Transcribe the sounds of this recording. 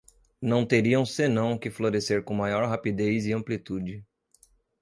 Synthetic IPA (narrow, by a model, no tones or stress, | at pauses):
nɐ̃w̃t̪eɾiɐ̃w̃senɐ̃w̃kɪfloɾeseɾkõmajɔɾɦapid̪ejzɪɐ̃mplit̪ud͡ʒɪ